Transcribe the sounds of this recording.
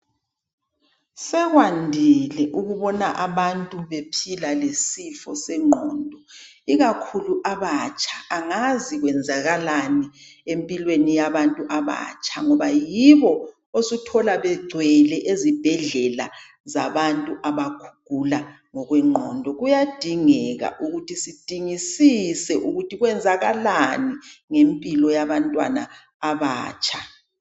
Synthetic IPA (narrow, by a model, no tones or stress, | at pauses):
sɛɣwandʱilɛʔuɣuβɔnaʔaβantʼuβepʰilalesifɔsɛŋ͡ǃʱɔ̰ːndʱɔ | iɣakʰuluʔaβat͡ʃʼʰḁːŋaziɣwɛnd͡zʱaɣalani | empʼilwenijaβantʼuʔaβa̰t͡ʃʼaŋɔβajiβɔ | osutʰɔlaβɛɡ͡ǀʱwɛlɛʔezib̥ʱɛɮɛla̰ | zaβantʼuʔaβakʰu̥ɡ̥ʱula | ŋɔɣwɛŋ͡ǃʱɔndʱɔɣujad̥ʱiŋɛɣa̰ʔuɣutʰisid̥ʱiŋisisɛʔuɣutʰiɣwɛnd͡zʱaɣalaniŋempʼilɔjaβantʼwa̰na̰ː | βa̰ːt͡ʃʰʼa